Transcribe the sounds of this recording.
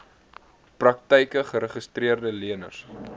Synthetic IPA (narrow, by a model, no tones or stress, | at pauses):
prɐk̚təjkəχəɾəχəstriərdəliənə̰rs